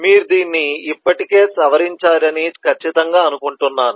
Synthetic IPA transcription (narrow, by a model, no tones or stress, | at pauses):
miːɾud̪iːnːiːpːɐʈike̞ːsɐʋɐɾiɲt͡ʃaːɾɐnikʰɐt͡ʃːit̪ɐŋɡaːɐnukuɳʈunːaːnu